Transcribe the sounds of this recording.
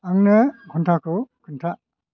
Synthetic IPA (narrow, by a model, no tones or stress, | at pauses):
aŋnɯɡʰɔntʰakʰɯkʰɯntʰa